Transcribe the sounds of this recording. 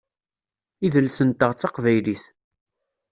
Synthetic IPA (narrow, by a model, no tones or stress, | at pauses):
iðəlsənt̪əʁt͡sːɑqvæjliθ